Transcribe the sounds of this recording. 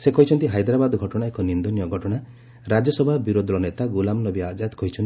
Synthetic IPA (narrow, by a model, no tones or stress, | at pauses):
sekɔɦit͡ʃʰɔnt̪iɦajd̪ɾabad̪ɡʱɔʈɔɽ̃aekɔnind̪onijɔɡʱɔʈɔɽ̃a | ɾad͡ʒɔsɔbʱabiɾod̪ʱlɔnet̪aɡulamnɔbiad͡ʒad̪kɔɦit͡ʃʰɔni